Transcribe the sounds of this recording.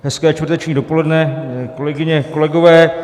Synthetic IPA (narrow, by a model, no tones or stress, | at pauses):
ɦɛskɛːt͡ʃtvrt̪ɛt͡ʃɲiːdo̞po̞lɛdnɛko̞lɛɡɪɲɛkolɛɡo̞vɛː